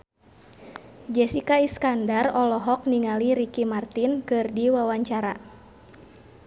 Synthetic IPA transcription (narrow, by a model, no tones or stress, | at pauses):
d͡ʒɛsikaiskandarɔlɔɦɔk̚niŋaliɾikimart̪inkɨrdiwawaɲt͡ʃaɾa